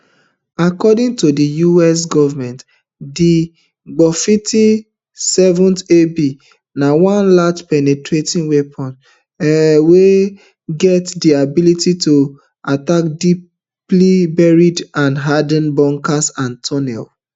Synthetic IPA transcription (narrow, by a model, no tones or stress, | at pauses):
akɔdĩŋtodijuɛs̬ɡɔvamɛ̃nt | di | ɡ͡bɔfitʰi | sɛvɔ̃ntebi | nawãnlatpɛnɛtʰɹetĩnwepʰɔ̃n | we | ɡɛtdiabilitito | atakdi | plibɛɹidãnɦadə̃nbɔ̃ŋkasãntʰɔnɛ̰l